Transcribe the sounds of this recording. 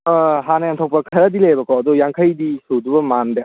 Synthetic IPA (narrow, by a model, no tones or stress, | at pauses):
ɦanajaŋt̪ʰɔw̚pɐkʰɐɾad̪ilejbɐkɔːd̪ɔjaŋkʰajdisud̪ubɐmande